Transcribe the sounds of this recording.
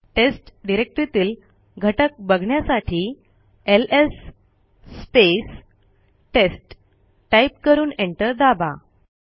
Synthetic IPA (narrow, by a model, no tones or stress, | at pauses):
ʈesʈɖiɾek̚ʈɾit̪iːl | ɡʱəʈək̚bəɡʱɳjasaʈʰiː | elesː | pes | ʈesʈ | ʈajp̚kəɾuːneɳʈəɾd̪aba̰